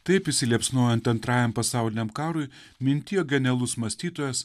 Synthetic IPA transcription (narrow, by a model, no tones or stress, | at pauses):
t̪ɐɪpɪsʲɪlʲiɛpsnuɔjɛɐnt̪ɐnt̪ɾɑːjɛmpɐsɑˑʊlʲɪnʲɛmkɑːɾʊɪ | mʲɪnʲt̪ʲɪjoːɡʲɛnʲɛlˠʊsmɐsʲt̪ʲiːt̪oːjɛs